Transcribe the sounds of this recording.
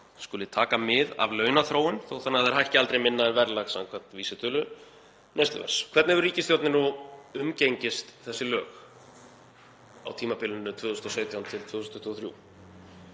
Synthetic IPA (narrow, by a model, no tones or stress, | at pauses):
skʏlɪt̪ʰaːkamɪða̰vlœːɥnaθɾoːwɪnθowθanːaðɛɾ̥hahcɪalt̪ɾejmɪnːaðɛnvɛɾlaɣsa̰ŋkʰvan̥t̪viːsɪt̪ʰʏœːlʏ | nejst̪a̰vɛ̰ɾ̥skʰv̥ɛɾt̪nhɛvʏɾriːcɪsθjowt̪nɪnuʏmcejɲcɪst̪θɛsːɪlœːx | a̰wt̪ʰiːmapɪlʏnːʏt̪ʰvʏːðusnɔseːt̪jawnt̪ʰɪlt̪ʰvɪːusnt̪t̪ʰɔθɾjṵː